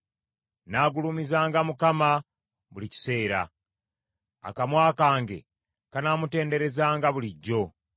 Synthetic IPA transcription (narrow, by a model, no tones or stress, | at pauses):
naːɡulumizaːŋɡamukama | βulici̥se̞ːɾa̰ | a̰kamwaːkaːŋɡe̞̰ | kanaːmute̞ːnde̞ɾe̞zaːŋɡaβuliɟːo̞